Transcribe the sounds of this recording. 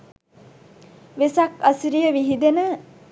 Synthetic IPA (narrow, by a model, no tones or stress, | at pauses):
ʋesakasiɾijəʋiɦid̪enə